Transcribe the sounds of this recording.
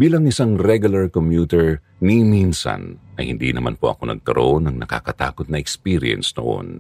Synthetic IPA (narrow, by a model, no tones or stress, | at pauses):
biːlɐŋʔɪsaŋɾɛɡʊlɐɹkomjuːt̪ɛɹ | niminsɐ̰nʔɐjhɪnd̪ḭnɐma̰npoʔɐ̰ko̞nɐ̰ɡ̚kɐɾʔoʔonɐŋnɐka̰kɐt̪a̰ːkot̪̚nɐʔɛkspiːɾɪ̰ɛ̰nsno̰ʔo̞̰n